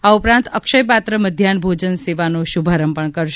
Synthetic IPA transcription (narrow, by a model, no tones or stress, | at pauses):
aupɾãnt̪əkʃəjpat̪ɾəməd̪ʱjanbʱod͡ʒənseʋanoʃubʱaɾəmpəɳkəɾʃ